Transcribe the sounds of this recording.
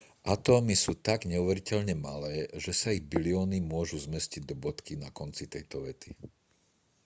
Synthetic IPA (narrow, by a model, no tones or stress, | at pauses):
ʔat̪ɔːmisuːt̪aɡɲɛuʋɛɾicɛʎɲɛma̰lɛːʒɛsaiɣbiliɔːnimʊɔʒuzmɛsciɟd̪ɔbɔt̪kinakɔnt͡sit̪ɛjt̪ɔʋɛt̪i